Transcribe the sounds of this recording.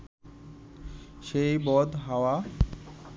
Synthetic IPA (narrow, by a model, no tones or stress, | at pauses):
ʃejbɔd̪ɦawa